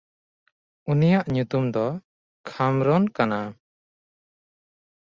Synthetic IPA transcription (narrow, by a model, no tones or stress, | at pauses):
unijaʔɲut̪umd̪ɔ | kʰamɾɔnkana